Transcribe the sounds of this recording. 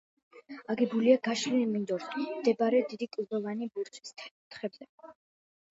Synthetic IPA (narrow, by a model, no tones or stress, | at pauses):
aɡibuliaɡaʃɾiimind̪ɔɾsʰʼmd̪ɛbaɾɛd̪id̪ikʼlid̪ɔvanibuɾt͡ʃʰʼi̥st̪χɛbzɛ